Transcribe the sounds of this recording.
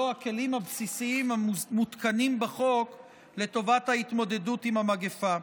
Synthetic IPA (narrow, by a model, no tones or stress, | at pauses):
oake̞limhabsisiimamut̪kanimbeχo̞k | le̞to̞vathait̪mo̞d̪e̞dutimamaɡefa